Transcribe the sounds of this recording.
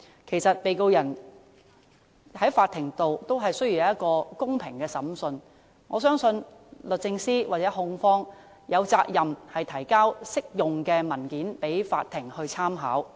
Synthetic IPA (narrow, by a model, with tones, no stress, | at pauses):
kʰe˨˩jsɐ˨t̚pe˨jko˧wjɐ˨˩n | hɐ˨˥jfaː˨˧t̪ʰɪ˨˩ŋt̪o˨wt̪o˥wɦɐ˨jsɵ˥ɥjy˨wjɐ˨˧˦jɐ˥t̚kɔː˧kʊ˥ŋpʰɪ˨˩ŋkɛː˧sɐ˨˥msɵ˧n | ŋɔ̰ː˨˧sœː˥ŋsɵ˧nlɵ˨t̚t͡sɪ˧ŋsiː˥waː˨˩t͡sɛː˨˥ɦʊ˧ŋfɔː˥ŋ | jɐ˨˧wt͡saː˧k̚jɐ˨mhɐ˨jt̪ʰɐ˨˩jkaː˥wsɪ˥k̚jʊ˨ŋkɛː˧mɐ˨˩nkiː˨˥npe˨˥jfa̰ː˧t̪̚ʰɪ˨˩ŋhɵ˧ɥt͡sʰaː˥mɦa̰ː˨˥w